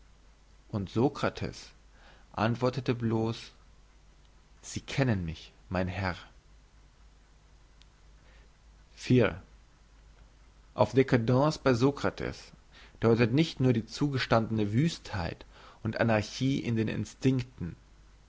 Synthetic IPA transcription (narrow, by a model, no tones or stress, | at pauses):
ʔʊntz̥okʁ̥atʰɛ̰s | ʔa̰ntv̥ɔɐtətəbloːs | z̥iːkʰɛnənmɪçmaɪnhɛʁ | fiːʁ | ʔa̰ʊfd̥ekadɑ̃ːsb̥aɪzokʁ̥atʰɛ̰s | d̥ɔʏtətnɪçtnuːɐdiːt͡suːɡəʃtandənəvyːsthaɪt | ʔʊntʔa̰naɐçiːʔɪ̰ndeːnɪ̰nstɪŋktn̩